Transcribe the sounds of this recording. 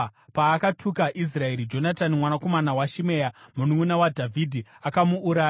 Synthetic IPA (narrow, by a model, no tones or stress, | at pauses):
paːkatʰukaʔis̬rae̞ɾid͡ʒo̞natanimwanako̞manawaʃime̞jamunumunawadʱavʱidʱiakamuːɾaː